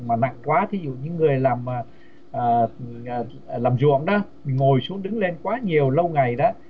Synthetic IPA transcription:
maː˨˩na̰˧˨ŋkwaː˨˦t̪ʰi˨˦zṵ˧˨ɲɨ̰˧˥ŋːɨ˨˩əjlaː˨˩mː˨˩ | ʔəː˨˩˨ | laː˨˩mzṵ˧˨əŋɗɔ˨˦mï˨˩ŋo˨˩jsu˨˦əŋɗɨ˨˦ŋle˧nkwaː˨˦ɲi˨˩əwlə˧wŋa˨˩jɗɔ̰ː˨˦

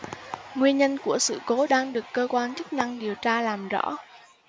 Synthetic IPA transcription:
ŋwi˧ənɲə˧nku˧˩əsɨ̰˧˨ko˨˦ɗaː˧ŋɗɨ˨˩əkːəː˧kwaː˧nt͡ɕɨ˦˥k̚na˧ŋɗi˨˩əwt͡ɕaː˧laː˨˩mzɔ̰˧˥

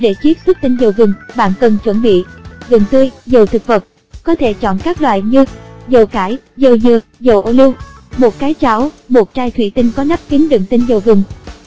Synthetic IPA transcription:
ɗe˧˩t͡ɕi˦˥əp̚su˦˥t̚t̪ï˧ŋzə˨˩wɣɨ˨˩ŋɓa̰ː˧˨nkə˨˩nt͡ɕwə˧˩nɓḭ˧˨zɨ˨˩ŋt̪ɨ˧əjzə˨˩wt̪ʰɨ˨˩k̚fə˨˩p̚ | kɔ˨˦t̪ʰe˧˩t͡ɕɔ̰˧˨nkaː˦˥k̚lwa̰ː˧˨jɲɨ˧zə˨˩wkaː˧˩jzə˨˩wzɨ˨˩əzə˨˩wʔo˧li˧w | mo˨˩t̚kaː˨˦jt͡ɕa˨˦wmo˨˩t̚t͡ɕaː˧jt̪ʰwḭ˧˩t̪ï˧ŋkɔ˨˦na˦˥p̚ki˨˦ənɗɨ̰˧˩əŋt̪ï˧ŋzə˨˩wɣɨ˨˩ŋ

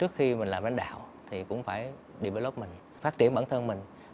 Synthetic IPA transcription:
t͡ɕɨ˦˥ək̚xi˧mï˨˩ŋ̟laː˨˩mɓaː˧˦ŋɗa̰ː˧˨wt̪ʰi˨˩kʊ̰˧˥ŋ͡mfaː˧˩j | ɗi˧˩ɓəː˨˦jlo˦˥p̚mï˨˩ŋ̟ | faː˦˥t̚t͡ɕi˧˩ənɓaː˧˩˦nt̪ʰə˧nmï˨˩ŋ̟

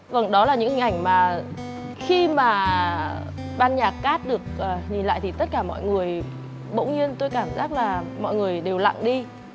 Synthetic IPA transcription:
və˧˩ŋɗɔ˨˦laː˨˩ɲɨ̰˧˥ŋhï˨˩ŋ̟ʔa˧˩jŋ̟maː˨˩ | xi˧maː˨˩ | ɓaː˧nɲaː˨˩k̚kaː˦˥t̚ɗɨ˨˩ək̚ʔːɲi˨˩nla̰ː˧˨jt̪i˨˩t̪ə˦˥t̚kaː˧˩mɔ̰˧˨jŋɨ˨˩əj | ɓə̰˧˥wɲɨ˧ənt̪o˧jkaː˧˩mzaː˦˥k̚laː˨˩mɔ̰˧˨jŋɨ˨˩əjɗe˨˩wla̰˧˨ŋɗi˧

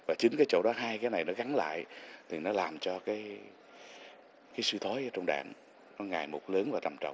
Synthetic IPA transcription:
vaː˨˩t͡ɕi˨˦ŋ̟kaː˨˦jt͡ɕo̰˧˥ɗɔ˨˦ɦaː˧jkaː˨˦jna˨˩jnɔ˨˦ɣa˨˦nla̰ː˧˨jt̪ʰi˨˩nɔ˨˦laː˨˩mt͡ɕɔ˧kaː˨˦j | kaː˨˦jsɨ˧t̪ʰo˨˦jʔəː˨˦t͡ɕɔ˧wŋ͡mɗa̰ː˧˨ŋ | nɔ˨˦ŋaː˨˩jmo˨˩t̚ləː˨˦nvaː˨˩t̪ə˧˩mt͡ɕə̰˧˨wŋ͡m

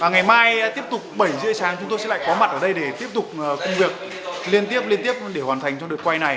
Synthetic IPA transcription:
vaː˨˩ŋa˨˩jmaː˧jt̪i˦˥əp̚t̪ʊ˨˩k͡p̚ɓə˧˩jzɨ̰˧˥əsaː˨˦ŋt͡ɕʊ˨˦ŋ͡mt̪o˧jsɛ̰˧˥la̰ː˧˨˧kɔ˨˦ma˨˩t̚ʔəː˧˩ɗə˧jɗe˧˩t̪i˦˥əp̚t̪ʊ˨˩k͡p̚ːkʊ˧ŋ͡mvi˨˩ək̚ | li˧ənt̪i˦˥əp̚li˧ənt̪i˦˥əp̚ɗe˧˩hwaː˨˩t̪ʰjŋ̟t͡ɕɔ˧ŋ͡mɗɨ˨˩t̚kwa˧jna˨˩j

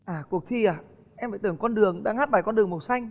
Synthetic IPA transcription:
ʔaː˨˩ku˨˩ək̚t̪ʰi˧ʔaː˨˩ | ʔɛ˧mfaː˧˨t̪ɨ˧˩əŋkɔ˧nɗɨ˨˩əŋɗa̰ː˧ŋhaː˦˥t̚ɓaː˨˩jkɔ˧nɗɨ˨˩əŋmo˨˩t̚sa˧jŋ̟

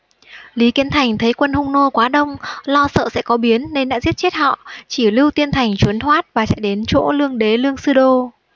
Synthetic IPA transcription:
li˨˦ki˨˦ənt̪ʰa˨˩jŋ̟t̪ʰə˨˦jkwə˧nhʊ˧ŋ͡mno˧kwaː˨˦ɗə˧wŋ͡mlɔ˧sə̰ː˧˨sɛ̰˧˥kɔ˨˦ɓi˨˦ənːe˧nɗa̰ː˧˥zi˦˥ət̚t͡ɕe˦˥t̚hɔ̰˧˨t͡ɕi˧˩lɨ˧wt̪i˧ənt̪ʰa˨˩jŋ̟t͡ɕwu˨˦nt̪ʰwaː˦˥t̚vaː˨˩sɛ̰˧˥ɗe˨˦nt͡ɕo̰˧˥lɨ˧əŋɗe˨˦lɨ˧əŋsɨ˧ɗo˧

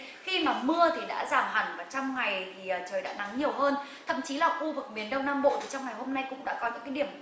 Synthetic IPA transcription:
xi˧maː˨˩mɨ˧ət̪ʰi˨˩ɗa̰ː˧˥zaː˨˩mɦa˨˩ŋ̟vaː˨˩t͡ɕɔ˧wŋ͡mŋa˨˩jt̪ʰiː˨˩˨t͡ɕəː˨˩jɗa̰ː˧˥na˨˦ŋɲi˨˩əwɦəː˧n | t̪ʰə̰˧˨mt͡ɕi˨˦laː˨˩xu˧vɨ˨˩k̚mi˨˩ənɗə˧wnaː˧mɓo̰˧˨t̪ʰi˨˩t͡ɕɔ˧wŋ͡mŋa˨˩jɦo˧mna˧jkʊ̰˧˥ŋ͡mɗa̰ː˧˥kɔ˨˦ɲɨ̰˧˥ŋkaː˨˦ɗi˧˩əm

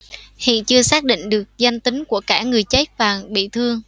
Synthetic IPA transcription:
hḭ˧˨nt͡ɕɨ˧əsaː˦˥k̚ɗḭ˧˨ŋ̟ɗɨ˨˩ək̚za˧jŋ̟t̪ï˨˦ŋ̟ku˧˩əkaː˧˩ŋɨ˨˩əjt͡ɕə˦˥k̚faː˨˩ŋɓḭ˧˨t̪ʰɨ˧əŋ

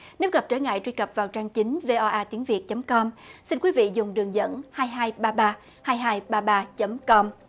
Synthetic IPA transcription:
ne˨˦wɣə˨˩p̚t͡ɕəː˧˩ŋa̰ː˧˨jt͡ɕwi˧kə˨˩p̚vaː˨˩wt͡ɕaː˧ŋt͡ɕi˨˦ŋ̟ve˧ʔɔ˧ʔaː˧t̪i˨˦ənvi˨˩ət̚t͡ɕə˨˦mkɔ˧msi˧nkwi˨˦vḭ˧˨zʊ˨˩ŋ͡mɗɨ˨˩əŋzə̰˧˥nhaː˧jɦaː˧jɓaː˧ɓaː˧ | haː˧jɦaː˧jɓaː˧ɓaː˧t͡ɕə˨˦mkɔ˧m

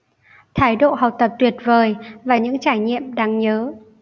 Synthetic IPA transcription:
t̪ʰaː˨˦jɗo̰˧˨ha˨˩w̚t̪ə˨˩p̚t̪wi˨˩ət̚vəː˨˩jvaː˨˩ɲɨ̰˧˥ŋt͡ɕaː˧˩jɲḭ˧˨əmɗaː˧ŋɲəː˨˦

